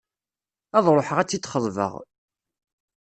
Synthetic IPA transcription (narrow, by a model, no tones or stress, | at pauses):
æðˤɾˤoħəʁæt͡sːit͡sːχəðˤvə̰ʁ